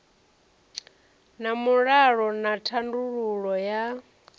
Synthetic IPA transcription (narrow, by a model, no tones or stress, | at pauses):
namuɺaɺɔnatʰanduɺuɺɔja